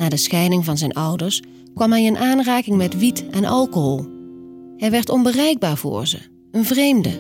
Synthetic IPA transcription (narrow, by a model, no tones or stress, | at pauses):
naːdəsxɛjnɪŋvɑnzɛjnʌwdəɹs | kʋɑmɦɛjənʔaːnraːkɪŋmɛtʋitɛnʔɑlˠkoɦoːlˠ | hɛjʋɛɹtɔnbərɛjɡ̚baːɹvʊ̰ːɹzə̰ | ənvrejmdə